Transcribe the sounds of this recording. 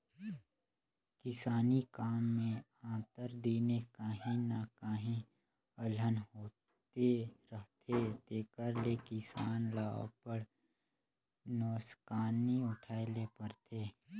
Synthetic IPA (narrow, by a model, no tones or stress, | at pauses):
kɪsaːnikaːmːẽ | ãːt̪əɾd̪iːnekaːɦĩnakaːɦĩ | ələnɦoː | t̪eɾəɦt̪ʰet̪eːkəɾlekɪsaːnlaːõ̰pəɽ | noːskaːniʊʈʰaːelepəɾt̪ʰeː